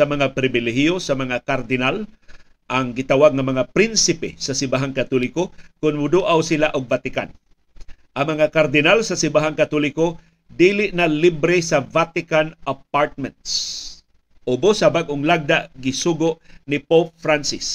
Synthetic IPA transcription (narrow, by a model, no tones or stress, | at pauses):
sɐmɐŋapɾɪbɪlɛɦjosɐmɐŋakaɾd̪ɪnal | ʔɐŋɡɪt̪awaɡ̚ŋɐmɐŋapɾɪnsɪpɛsɐsɪmbaɦaŋkat̪olɪkokʊnmʊd̪uʔawsilaʔʊɡ̚vat̪ɪka̰n | ʔɐŋmɐŋakaɾd̪ɪnalsɐsɪmbaɦaŋkat̪olɪko | d̪iːlɪʔnalibɾɪsɐvat̪ɪkanap̚aɹt̪̚mɛnt̪s | ʔʊbosɐbaɡʔʊŋlaɡ̚d̪aʔɡɪsuːɡoʔnɪpop̚fɾansɪs